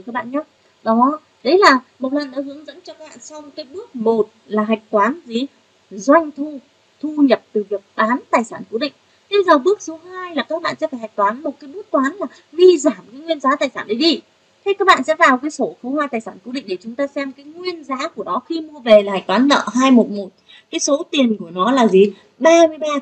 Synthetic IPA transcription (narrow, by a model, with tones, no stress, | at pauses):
kaː˦˥k̚ɓa̰ː˧˨ɲaː˨˦ | ɗɔ˨˦ | ɗə˨˦jlaː˨˩mo˨˩t̚lə˨˩nɗa̰˨˦ɦɨ˨˦əŋzə̰˧˥nt͡ɕɔ˧kaː˦˥ɓa̰ː˧˨nsa˧wkaː˨˦jɓɨ˦˥ək̚mo˨˩t̚laː˨˩ɦa˨˩jk̟̚t̪waː˨˦nzi˨˦ | zwa˧jŋ̟t̪ʰu˧ | t̪ʰu˧ɲə˨˩p̚t̪ɨ˨˩vi˨˩ək̚ɓaː˨˦nt̪aː˨˩jsaː˧˩nku˨˦ɗḭ̈˧˨ŋ̟ | t̪ʰi˧zəː˨˩ɓɨ˦˥ək̚so˨˦haː˧jlaː˨˩kaː˦˥k̚ɓa̰ː˧˨nsɛ̰˧˥fa˧˩ha˨˩jk̚t̪waː˨˦nmo˨˩t̚kaː˨˦ɓɨ˦˥k̚t̪waː˨˦nlaː˨˩ | vi˧zaː˧˩mkaː˨˦jŋwi˧ənzaː˨˦t̪aː˨˩jsaː˧˩nɗə˨˦ɗi˧ | t̪ʰe˧jkaː˦˥k̚ɓa̰ː˧˨nsɛ̰˧˥vaː˨˩wkaː˨˦jso˧˩xə˧wŋ͡mhwaː˧jt̪aː˨˩jsaː˧˩nku˨˧˦ɗḭ̈˧˨ŋ̟ɗe˧˩t͡ɕʊ˨˦ŋ͡mt̪aː˧sɛ˧mkaː˨˦jŋwi˧ənzaː˨˦ku˧˩ənɔ˨˦xi˧mu˧əve˨˩laː˨˩ha˨˩k̟t̪wːnːə̰ː˧˨ɦaː˧jmo˨˩t̚mo˨˩t̚ | kaː˨˦jso˨˦t̪i˨˩ənku˧˩ənɔ˨˦laː˨˩zi˨˩ | ɓaː˧mɨ˧əjɓaː˧